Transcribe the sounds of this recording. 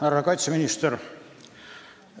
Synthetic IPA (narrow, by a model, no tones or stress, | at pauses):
ærːɑkɑjt̪seminʲist̪er